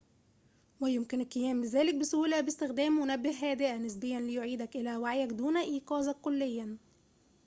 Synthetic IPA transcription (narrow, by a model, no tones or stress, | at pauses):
wæjomkɪnelkɪjæːmbezæːlɪk̚besulæbest̪ɪxd̪æːmːonæbːehɦːæːd̪eʔænɪs̬bejːænlejoʕiːd̪ækʔelæːwaʕjækd̪uːnæʔiːqɑːzɑkːolːejːæ